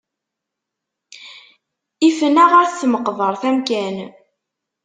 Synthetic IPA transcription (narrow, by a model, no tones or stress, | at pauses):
ifənæʁaɾθθməqvˤəɾˤθæmkæn